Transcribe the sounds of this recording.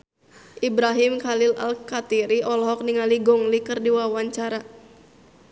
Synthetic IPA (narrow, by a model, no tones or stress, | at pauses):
ʔibɾaɦimkalila̰lkat̪iɾiɔlɔɦɔk̚niŋaliɡɔŋlikɨrdiwawaɲt͡ʃaɾa